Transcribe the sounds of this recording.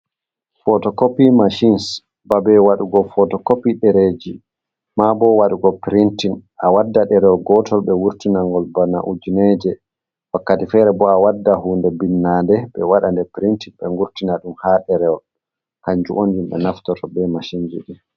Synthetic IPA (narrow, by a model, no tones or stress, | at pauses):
fɔtɔkopimaʃins | babɛwaɗuɡɔfɔtɔkopiɗɛɾed͡ʒi | mabɔwaɗuɡɔpɾintinʔawadːaɗɛɾɛwɔɡɔtʰɔlɓɛwuɾtinaŋɡɔlbanaʔud͡ʒinɛd͡ʒɛ | wakːatifɛɾɛbɔawadːaɦuːndɛbinːandɛɓɛwaɗandɛpɾintinɓɛŋɡuɾtinaɗumhaɗɛɾɛɔ | kaɲd͡ʒṵʔonimɗɛ̰naftɔtɔbɛmaʃind͡ʒḭɗi